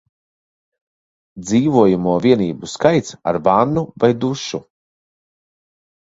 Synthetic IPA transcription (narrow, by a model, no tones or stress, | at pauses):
d̪ziːvuɔjumuɔviɛniːbuskajt̪sa̰ɾvanːuvajd̪uʃu